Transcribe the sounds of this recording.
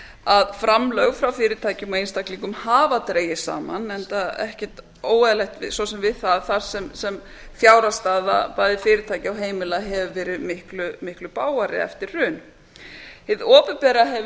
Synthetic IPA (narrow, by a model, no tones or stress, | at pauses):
aðfɾamlœɣfɾawfɪːɾɪɾt̪ʰaːjcɪmɔejnst̪akliŋkʏmhaːvat̪ɾeːjɪsa̰ːma̰nɛnt̪aɛ̰hcɛɾ̥t̪ | oːwɛðlɛxt̪vɪsɔsɛmvɪðθaðθaɾ̥sɛmsɛm | fjaːwɾast̪aːða̰paːjðɪfɪːɾɪt̪ʰaːjcɪawɦeːjmɪlaɦɛvvɛːɾɪðmɪhklʏmɪhklʏpaːwaɾɪ̰ɛ̰ft̪ɪrrʏːn | hɪðɔːpʏpɛːɾaɦɛv